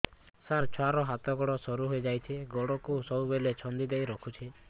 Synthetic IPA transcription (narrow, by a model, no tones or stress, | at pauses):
saɾt͡ʃʰɔaɾɔɦat̪ɔɡɔɽɔsɔɾuɦojd͡ʒajt̪ʰiɡɔɽɔkusɔubelet͡ʃʰɔnd̪id̪ejɾɔkʰut͡ʃʰi